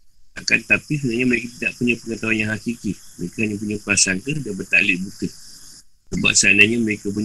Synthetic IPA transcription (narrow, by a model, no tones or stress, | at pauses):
aka̰nt̪apis̬ənaɲaməɾekat̪idaʔpuɲãpəŋat̪awanjãŋɦakikiməɾekahaɲãp̬uɲapəasaŋkədanbərt̪a̰lɪʔbut̪ə | səba̰p̚saanaɲaməɾekap̬uɲ